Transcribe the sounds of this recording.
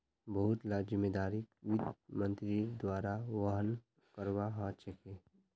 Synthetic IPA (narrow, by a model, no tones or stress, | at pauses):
bəɦʊt̪lad͡ʒɪmːeːd̪aːɾikʋɪd̪mə̃nt̪ɾid̪waːɾaʋaɦən | kəɾwaɦãt͡ʃɐke